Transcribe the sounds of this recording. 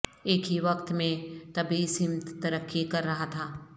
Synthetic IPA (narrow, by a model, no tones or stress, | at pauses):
eːkɦiʋɐkt̪mẽt̪ɐbʱisɪmt̪t̪ɐɾəkːikɐɾːɐɦat̪ʰaː